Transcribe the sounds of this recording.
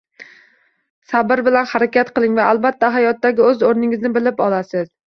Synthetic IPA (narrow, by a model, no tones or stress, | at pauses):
sabɪɾbɪlanhaɾakʲat̪qɨlˠɪŋvaʔalˠbat̪ʰːaɦajɒt̪ːaɡʲɪɵzoɾnɪŋɪznɪbɪlɪpɒlasɪz̥